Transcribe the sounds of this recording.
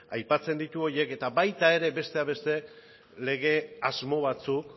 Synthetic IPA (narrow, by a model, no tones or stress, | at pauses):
ajpat͡se̞nd̪it̪uo̞ɾje̞ke̞t̪abajt̪ae̞ɾe̞be̞st̪eaβe̞st̪e̞ | le̞ɣ̞e̞azmo̞β̞at͡suk